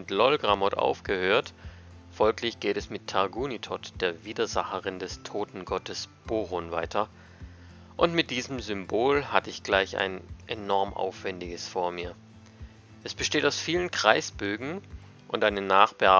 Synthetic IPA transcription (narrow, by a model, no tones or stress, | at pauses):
ɪtlɔlɡʁamɔtʔa̰ʊfɡ̥əhøːɐt | fɔlklɪçɡ̥eːtɛsmɪtʰaɐɡuːnitʰɔtd̥eːɐviːdɐzaχəʁɪndɛstʰoːtn̩ɡɔtʰəsb̥oːʁʊnva̰ɪtʰɐ | ʔʊntmɪt̚d̥iːzəm̩zʏmboːlhatəɪçɡ̥laɪça̰ɪnʔenɔɐmʔa̰ʊfv̥ɛndɪɡəsfoːɐmiːɐ | ʔɛsb̥əʃteːtaʊsfiːlənkʁ̥aɪsb̥øːɡŋ̩ | ʔʊntʔaɪnənaːχb̥əa